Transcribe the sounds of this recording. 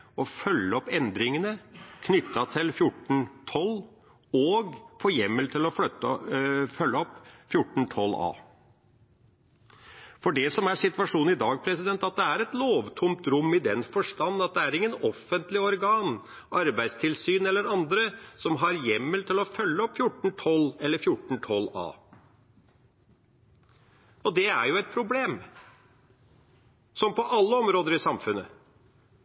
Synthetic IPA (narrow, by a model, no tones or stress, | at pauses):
ɔfœlːəɔpːɛnd̪ɾɪŋənəkʰnʏt̪ːɑt̪ʰɪlfjʊʈɳ̩t̪ʰɔlː | ɔːɡfɔjɛmːəlt̪ʰɪlɔfœt̪ | fœlːəɔpːfjʊʈːɳ̩t̪ʰɔlɑ̰ː | fɔɖɛsɔmæʂɪt̪ʋɑʂuːn̩ɪd̪ɑːɡ̚pʰɾɛsɪd̪ɛnt̪ːɑt̪̚d̪ɛæɾɛt̪loːʋt̪ʰʊmt̪ɾʊmːɪd̪ɛnfɔʂʈɑnːɑt̪̚d̪ɛæɾɪŋːənɔfːənt̪lɪɔɾɡɑːn | ʔɑɾbæɪst̪ʰɪlsyːnɛlːəɾɑnd̪ɾəsɔmɦɑɾjɛmːəlt̪ʰɪlɔfœlːəɔpːfjʊʈɳ̩t̪ʰɔlːɛlːəɾfjʊʈɳ̩t̪ʰɔlːɑ̰ː | ɔd̪ɛæɾjʊɛt̪̚pʰɾʊbleːm | sɔmpʰɔʔɑlːəɔmɾoːd̪əɾɪsɑmfʉnːə